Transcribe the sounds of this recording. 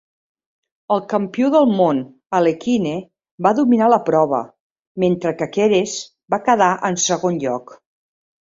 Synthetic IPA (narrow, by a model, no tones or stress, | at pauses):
əlˠkəmpiuðəlˠmon | əlekine | baðuminaləpɾɔβ̞ə̰ | ment̪ɾəkəkeɾez | bakəðaʔənsəɣonʎɔk